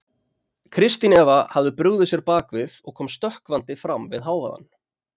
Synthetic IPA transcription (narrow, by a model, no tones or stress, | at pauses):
kʰɾɪst̪inɛːvahavðʏpɾʏɣðɪsjɛɾpaːkvɪðɔɣkʰɔːmst̪œhkvant̪ɪfɾamvɪ̰ðɦaːwva̰ða̰n